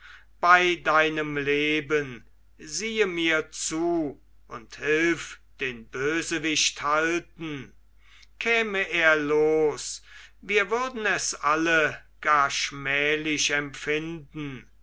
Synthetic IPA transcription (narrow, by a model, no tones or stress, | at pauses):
b̥aɪdaɪnəmleːbən | ziːəmiːɐt͡suː | ʔʊnthɪlfd̥eːnbøːzəvɪɕthaltn̩ | kʰɛːməʔeːɐloːsviːɐvʏɐdn̩ɛsʔaləɡ̥aːɐʃmɛːlɪʃɛmfɪndn̩